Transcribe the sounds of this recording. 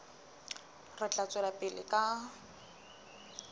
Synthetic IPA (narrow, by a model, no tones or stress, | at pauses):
rɪt͡ɬat͡sʼɪlapʼɪlɪ̰kʼa